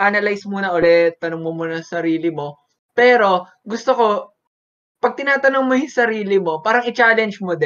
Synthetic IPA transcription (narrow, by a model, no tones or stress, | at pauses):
ʔanɐlajsmuːnɐʔolɛt̪ːɐnoŋmomunɐsɐɾiːlɪmo̞ | pɛːɾo̞ | ɡʊst̪oko̞ | pɐɡ̚t̪ɪnaːt̪ɐnoŋmojʊŋsɐɾiːlɪmo̞paːɾɐŋɪt͡ʃaːlɛnd͡ʒmod̪ɛ